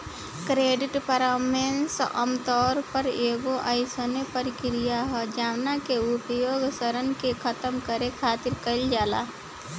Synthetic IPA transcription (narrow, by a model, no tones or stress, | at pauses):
kɾeːɖɪʈpəɾaːmeːnsə̰mt̪ɔːɾpəɾeːɡoʔaɪsonepəɾkɪɾɪjaɦɛd͡ʒaːʋnakeʊpjoːɡsəɾənkekʰət̪əmkəɾekʰaːt̪ɪɾkəld͡ʒaːla̰ː